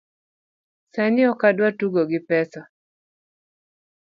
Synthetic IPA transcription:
sanɪɔkadwatuɡoɡɪpɛsa

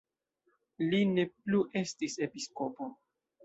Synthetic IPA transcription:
line̞pluʔe̞stise̞piskopo

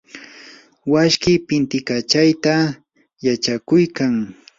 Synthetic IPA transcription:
waʃkɪpɪnt̪ɪkat͡ʃajt̪a | jat͡ʃakʊjkaŋ

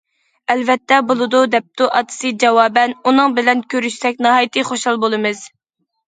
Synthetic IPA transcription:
ɛlvɛt̪ːɛbolˠɨd̪ud̪ɛp̚t̪uʔɑt̪ʰɨ̥sɨd͡ʒɑwɑːbɛnunɨŋbɪlɛnkʲøɾyʃsɛkʲnɑɦɑːjɨt̪ʰɨχoʃhɑlˠbolˠɨmɨz̥

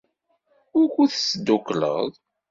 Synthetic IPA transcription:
ʊɾkʷuθsːd̪ːuklə̰ðˤ

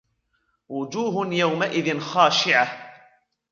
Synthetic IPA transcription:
wʊd͡ʒuːɦnjawmaʔɪðɪnxaːʃɪʕah

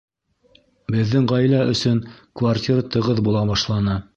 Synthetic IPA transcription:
bɘ̆ðːɘŋʁɑjlæʔɵ̆sɵŋkvartʲiɾt̪ɤ̆ʁɤðbulˠɑbɑʃlˠɑnɤ

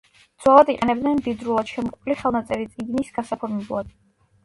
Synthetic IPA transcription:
d̪zwalˠad̪iqʼɛnɛbd̪nɛnmd̪id̪ɾulˠad̪̥ʃɛmɔqʼupʰliχɛlˠnat̪sʼɛɾit̪sʼiɡnisɡasapʰɔɾmɛblˠad̪̥

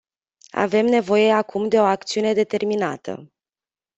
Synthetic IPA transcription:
a̰ve̞mne̞vo̞je̞akʰumd̪e̞o̞ak̚t̪siune̞d̪e̞t̪e̞rminat̪ə̰

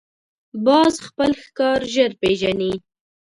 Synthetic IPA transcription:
bɑzxpəlxkɑɾʒəɾpeʒani

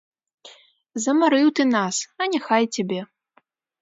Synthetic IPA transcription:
zɐmaɾɨwt̪ɨnasɐnʲɛxajt͡sʲabʲɛ

